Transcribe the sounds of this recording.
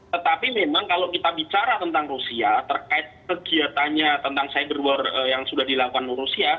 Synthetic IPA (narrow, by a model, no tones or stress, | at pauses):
t̪ət̪apimemaŋkalokit̪abit͡ʃaɾat̪ənt̪aŋrusiat̪ərkaɪt̪̚kəɡiat̪aɲat̪ənt̪aŋsajabəruərəjaŋsudahdilakukanɾusia